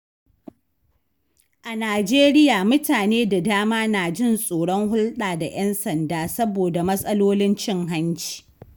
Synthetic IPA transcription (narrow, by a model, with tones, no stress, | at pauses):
ʔa˨naː˨d͡ʒeː˦ɾɪ˦jaː˨mʊ˦taː˨neː˦da˨daː˦maː˦naː˨d͡ʒɪ˦˨nsʼoː˨ɽɔ˦ŋɦʊ˦lɗaː˨da̰˨ʔɛ˦nsɐ˨ndaː˦sɐ˦boː˨da˨mɐ˦sʼɐ˦loː˦lɪ˦nt͡ʃɪ˦ŋɦa˦nt͡ʃi̥ː˨